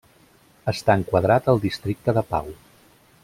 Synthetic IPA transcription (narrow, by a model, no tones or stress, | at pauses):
əst̪aəŋkwəðɾat̪əlˠd̪ist̪ɾik̚t̪əðəpa̰w